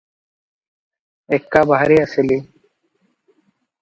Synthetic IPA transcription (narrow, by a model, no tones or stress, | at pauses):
ekːabaɦɾiːəseli